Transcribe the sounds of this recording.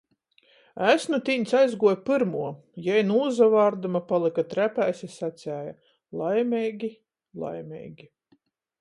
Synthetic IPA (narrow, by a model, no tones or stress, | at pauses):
æsnut̪ʲiɲʲsajzɡuɔjpɨɾmuɔ | jɛjnuːzavaːɾd̪umapalˠikat̪ɾæpæjsʲɛsat̪sʲæːja | lˠajmʲɛjɡʲi | lˠa̰jmʲɛ̰jɡʲi